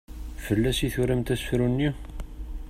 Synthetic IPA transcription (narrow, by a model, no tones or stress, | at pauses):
fəlːæsiθʊɾæmt̪æsfɾunːi